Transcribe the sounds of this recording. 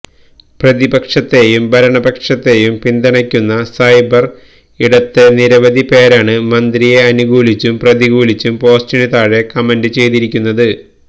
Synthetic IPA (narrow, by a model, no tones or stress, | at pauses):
prɐðibɐkʂɐt̪ːe̞jumbʱɐɾɐɳɐbɐkʂɐt̪ːe̞ːjumpind̪ɐɳɐkʲːunːɐsɐjbɐr | iɽɐt̪ːeniɾɐʋɐd̪ʱipe̞ːɾaːɳɨmɐnd̪rije̞ɐnuɡuːlit͡ɕːumprɐðiɡuːlit͡ɕːumpo̞ːstinit̪aːɻe̞kɐmɐndɨt͡ɕe̞jt̪iɾikʲːunːɐðɨ